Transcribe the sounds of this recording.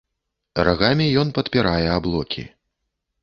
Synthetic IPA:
raɣamʲijɔnpɐt̪pʲiɾajɛablˠɔkʲʰḭ

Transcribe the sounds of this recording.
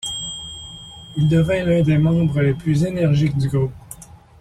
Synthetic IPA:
ild̪əvɛlɛ̃d̪emɑ̃bʁəleplyzenɛʁʒikd̪yɡo

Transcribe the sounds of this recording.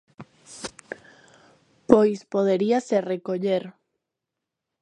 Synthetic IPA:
pojspoðeɾiaserekoʎeɾ

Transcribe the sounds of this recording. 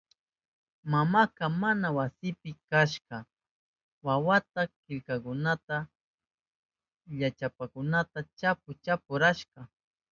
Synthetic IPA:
mamakamanawasɪpɪkaʃkɑ | wawat̪akɪʎkakʊnat̪a | ʎat͡ʃapakʊnat̪at͡ʃap̚ʊt͡ʃapʊɾaʃkɑ

